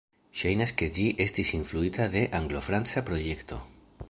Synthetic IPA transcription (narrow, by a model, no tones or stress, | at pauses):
ʃajnaske̞d͡ʒiʔe̞stisinfluitade̞ʔaŋɡlo̞fɾant͡sapɾo̞je̞kto̞̰